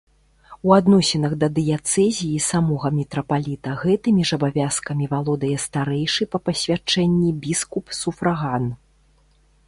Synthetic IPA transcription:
uad̪nɔsʲinɐɣd̪ɐd̪ɨjat̪sɛzʲijisamɔɣɐmʲɛt̪ɾɐpalʲit̪ɐɣɛt̪ɨmʲiʐɐbavʲaskɐmʲivalˠɔd̪ɐjɛst̪aɾɛjʂɨpɐpɐsʲvʲat͡ʂɛnʲːibʲiskupsufɾaɣan

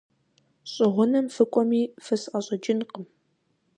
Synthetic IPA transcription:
ɕʼɪʁʷʊnɐmfɨkʷʼɔmiːfɨsqɐɕʼɐd͡ʒɪnqəm

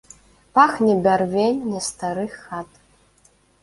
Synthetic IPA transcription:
paxnʲɛbʲarvʲenʲːɛst̪aɾɨxat̪

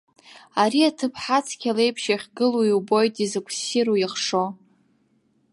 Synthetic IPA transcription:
aɾiatʰɨpʰħat͡sʰkʲʰale̞jpʰʃaχʲɡɨlujubo̞jtʼizɨkʷʰsirujaχʂo

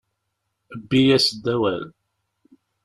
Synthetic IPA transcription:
əbːijæsəd̪ːæwæ̰l

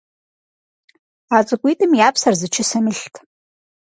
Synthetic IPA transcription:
at͡sʼɨkʷʼitʼɨmjaːpʰsarzɨt͡ʃʰɪsɐmɨɬtʼʰ

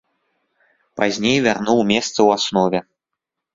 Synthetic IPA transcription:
pazʲnʲejvʲarnuwmʲɛst̪sɐwasnɔvʲɛ

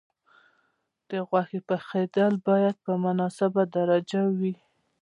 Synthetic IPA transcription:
d̪̥əɣwaxepəxajd̪albɑjad̪̚pəmʊnɑsabad̪aɾad͡ʒawi

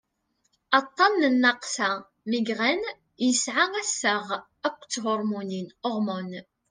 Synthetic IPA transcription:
ɑt̪ˤːɑnːənːɑqsæ | miɡʁæn | jəsʕaæsːəʁ | ækʷːt͡sːɦoɾˤmuninʊʁmʊn

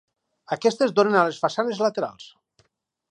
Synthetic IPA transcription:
akɛst̪ezd̪onenalesfasanezlat̪eɾa̰lˠs

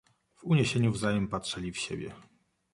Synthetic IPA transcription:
v̥uɲeɕeɲuvzajɛmpatʂɛlʲifɕḛbʲjɛ̰

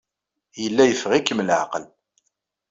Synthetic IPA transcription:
jəlːæjəfʁikːəmlʕa̰qəl

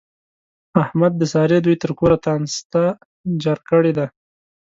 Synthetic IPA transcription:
ahmad̪̚ːəsɑɾed̪ujt̪əɾkoɾat̪ɑnst̪a | d͡ʒaɾkəɽed̪a

